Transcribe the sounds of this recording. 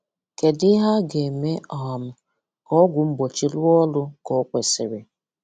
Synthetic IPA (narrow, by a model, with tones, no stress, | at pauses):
ke˨dɪ˦ɦa˦ɡe˨me˦ɔ˨ɦɔ˨m̩˨ | kɔ˦ɡʷʊ˨m̩˦bo˨t͡ʃi˦lʊ˦ɔ˦lʊ˦kɔ˦kʷe˨sɪ˨ɾɪ˨